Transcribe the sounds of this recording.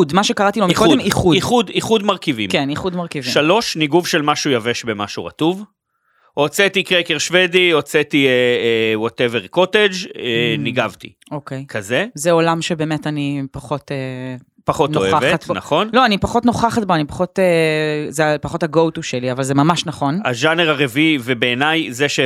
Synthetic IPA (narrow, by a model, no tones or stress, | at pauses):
udmaʃe̞kaʁatilomiodemiχuiχud̪iχud̪maʁkivḭmkeniχud̪maʁkiviʃalo̞ʃniɡuvʃelmaʃujaveʃbema̰ʃuʁɐ̰tuv | ot͡set̪ikʁekeʁʃvediot͡set̪ieewoteveʁko̞ted͡ʒeniɡavt̪ḭ | okejkʰazezeolamʃebeːmetɐnipaχo̞te | paχotnoeaveat̪bna̰χo̞nlo̞anipaχo̞tnoχaχat̚boanipḁχotezeapaχothaɡowtuʃeliavalzemamaʃnɐχo̞na̰ʒaneʁaʁevivebeːnajzeʃe